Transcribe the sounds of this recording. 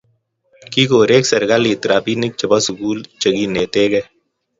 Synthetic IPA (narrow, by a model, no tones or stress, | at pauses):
kiːkoːɾeːksəɾɡaliːt̪ɾaːpiːnɪk̚t͡ʃəbasʊkuːlt͡ʃəɡiːneːt̪eːɡeː